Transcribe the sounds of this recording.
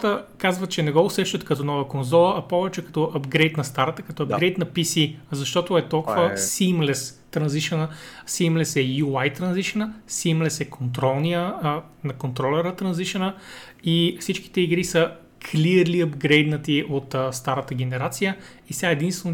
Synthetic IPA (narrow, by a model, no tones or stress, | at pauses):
t̪əkazvət̪̚t͡ʃɛnɛɡɔʊsɛʃt̪ɐt̪kɐt̪ɔnɔvəkonzɔlˠəʔːpɔvɛt͡ʃɛkɐ̥t̪ɔʔɐbɡɾɛjt̪nɐst̪aɾət̪əkɐt̪ɔɐbɡɾɛjt̪nɐpisizɐʃt̪ɔt̪oɛt̪ɔlˠkovəsimlɛs | t̪ɾɐnziʃɛnəsimlɛsɛjuajt̪ɾɐnziʃɛnəsimlɛsɛkʰont̪ɾɔlˠnijə | nɐkont̪ɾɔlɛɾət̪ɾɐnziʃɛnə | ifsit͡ʃki̥t̪ɛiɡɾisə | kʰliəɾliɐbɡɾɛjd̪nət̪iʔot̪ːst̪aɾət̪əɡ̟ɛnɛɾat̪sijə | isʲaɛd̪inst̪vɛno